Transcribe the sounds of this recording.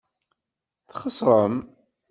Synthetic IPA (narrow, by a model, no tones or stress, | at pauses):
θχəsɾˤəm